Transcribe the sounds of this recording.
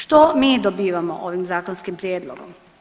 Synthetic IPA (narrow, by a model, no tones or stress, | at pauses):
ʃt̪omiːd̪obiːʋamo̰ʔoʋimzaːkonskimpɾʲjeːd̪lˠo̰ɡo̰m